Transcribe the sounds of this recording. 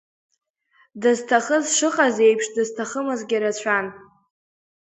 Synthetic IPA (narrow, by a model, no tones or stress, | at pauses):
dɨztʰaχəzʂɨqʼazejpʰʂdɨztʰaχəmɨzɡʲaɾat͡ɕʷʰan